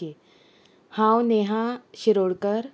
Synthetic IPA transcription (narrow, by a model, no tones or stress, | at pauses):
e | hãːwneːɦãɕɪɾoːɽkəɾ